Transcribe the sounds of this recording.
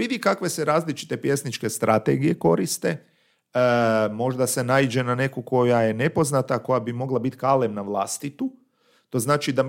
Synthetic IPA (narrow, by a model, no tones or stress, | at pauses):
ʋid̪ikakʋe̞seɾaːzlit͡ʃi̥t̪e̞pje̞snit͡ʃke̞st̪ɾʔat̪ḛɡije̞ko̞ɾist̪e̞ | mo̞ʒd̪ase̞naid͡ʒe̞nane̞koko̞jaje̞ne̞po̞znat̪ako̞jabimo̞ɡlˠabit̪kaːlemnaʋlˠaːst̪it̪u | t̪o̞ːznaːt͡ʃid̪a